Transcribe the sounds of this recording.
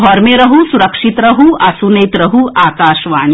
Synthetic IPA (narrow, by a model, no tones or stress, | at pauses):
ɔːɾmẽɾɐɦusuɾɐkʂit̪ɾɐɦuɐsuneːt̪ɾɐɦuaːkaːʃʋaːɳ